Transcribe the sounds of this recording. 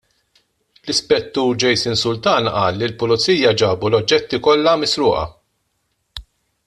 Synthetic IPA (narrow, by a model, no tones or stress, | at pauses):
lɪspɛt̪ːuːɾd͡ʒɛjsɪnsʊlt̪ɐːnʔɐːlːilpʊlʊt͡siːjɐd͡ʒɐːbulɔd͡ʒːɛt̪ːikɔlːɐmɪsɾʊːʔɐ̰